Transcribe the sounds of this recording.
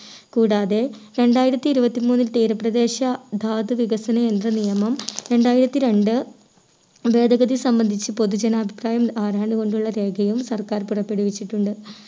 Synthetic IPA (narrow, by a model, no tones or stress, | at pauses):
kuːɽaːðe̞ɾe̞ɳɖaːjiɾɐt̪ːiːɾubɐt̪ːimuːnːilt̪iːɾɐprɐd̪e̞ːɕɐd̪ʱaːd̪ɨʋiɡɐsɐnɐend̪rɐnijɐmɐmɾe̞ɳɖaːjiɾɐt̪ːiɾe̞ɳɖɨ | ʋe̞ːd̪ʱɐɡɐd̪isɐmbɐnd̪ʱit͡ɕːɨpo̞ðud͡ʑɐnɐːbʱipraːjɐmaːɾaːɳɖɨɣo̞ɳɖuɭːɐɾe̞ːɡʱɐjumsɐrkaːrpurɐpːe̞ɽuʋit͡ɕːiʈːuɳɖɨ